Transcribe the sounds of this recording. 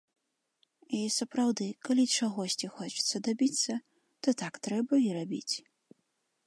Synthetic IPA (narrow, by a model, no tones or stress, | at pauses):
isɐpɾawd̪ɨkalʲit͡ʂaɣɔsʲt͡sʲixɔt͡ʂɨ̥t̪sːɐd̪abʲit̪sːɐ | t̪ɔt̪akt̪ɾɛbɐiɾabʲḭt͡sʲ